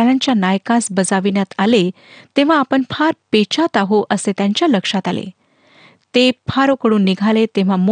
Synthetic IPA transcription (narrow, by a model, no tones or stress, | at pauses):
ljãɲt͡ɕjanajkasbəd͡zaʋinjat̪ale | t̪ẽʋ̤aːpəɳfʰaɾpet͡ɕat̪aɦoʔəset̪jãɲt͡ɕjaləkʂat̪alḛ | t̪epʰaɾokəɽuːnːiɡʱalet̪ẽʋ̤amo